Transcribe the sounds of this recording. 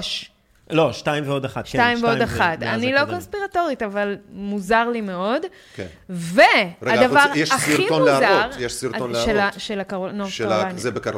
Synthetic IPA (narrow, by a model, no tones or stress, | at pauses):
ʃ | loʃtaĩmveodaχatʃktaimveod̪aχat̪a̰nilo̞ko̞nspiʁato̞ʁitavalmuzaʁlime̞o̞d | kenvead̪avaʁjeʃaχionuzaʁjeʃsiɾonʃelaʃelakonoeanzebek